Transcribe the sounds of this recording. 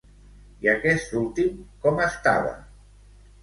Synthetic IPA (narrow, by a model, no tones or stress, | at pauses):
iakɛst̪ulˠt̪imkɔməst̪a̰βa̰